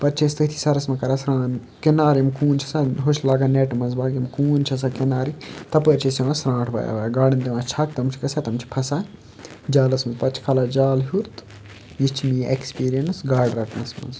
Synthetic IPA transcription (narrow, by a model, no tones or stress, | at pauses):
pɐɾt͡ʃʰest̪ɐt̪ʰi̥sɐɾɐsmɐkɐɾasɾãːn | kenaːɾimkuːnt͡ʃʰɐ̥saɦot͡ʃlaːɡaːneʈmɐnzbaːɡimkuːnt͡ʃʰɐs̬akenaːɾit̪ɐpəːɾt͡ʃʰesɐʋɐsɾãːʈʰbɐ̰ja̰ːʋajaɡaːɖint̪iʋãːt͡ʃʰɐk̚t̪ɐmt͡ʃʰi̥kɐsaːt̪ɐmt͡ʃʰi̥pʰɐsaː | d͡ʒaːlɐsmɐpɐt͡ʃʰkʰɐlaːd͡ʒaːlɦuɾt̪ | jit͡ʃʰmiʔekspiːɾijɐnsɡaːɖɾɐkʰnɐsmɐ̰nz